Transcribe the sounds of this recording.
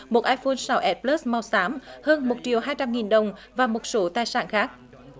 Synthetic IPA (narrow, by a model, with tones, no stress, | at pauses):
mo˨˩t̚ʔaː˧jfo˧nsa˨˦wʔɛ˦˥t̚pləː˦˥sma˧wsaː˨˦mhəː˧nmo˨˩t̚t͡ɕi˨˩əwɦaː˧jt͡ɕa˧mŋi˨˩nɗə˨˩wŋ͡mvaː˨˩mo˨˩t̚so˨˦t̪aː˨˩jsa̰ː˧˨nxaː˦˥k̚